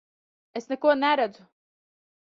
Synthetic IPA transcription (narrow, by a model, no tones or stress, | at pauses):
esnɛkuɔnɛɾæd̪zʊ